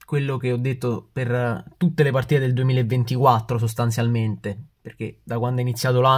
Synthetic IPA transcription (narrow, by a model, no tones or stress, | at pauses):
kwelːok̟eɔd̪ːet̪ːopert̪ut̪ːelepart̪iːt̪ed̪eld̪uemiːlaevːent̪ikwat̪ːɾos̬ost̪ant̪sjalment̪eperk̟ed̪akwand̪ɛinit̪sjaːt̪ola